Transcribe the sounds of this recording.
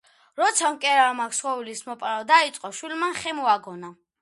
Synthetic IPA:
ɾɔt̪sʰamkʼɛɾalmakʰsχɔwilismɔpʼɾad̪ait̪sʼqʼɔʃwilmanχɛmuaɡɔna

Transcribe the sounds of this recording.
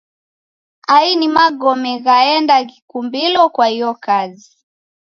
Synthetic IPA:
ainimaɠɔmɛɣaɛndakikumbilɔkwahijɔkazi

